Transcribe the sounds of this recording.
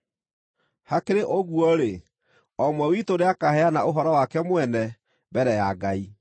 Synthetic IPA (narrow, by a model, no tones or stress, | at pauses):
hakeɾeʔoɣuɔɾe | ɔmwɛwitoɾeakahɛanaoɦɔɾɔwakɛmwɛnɛ | bɛɾɛjaɡai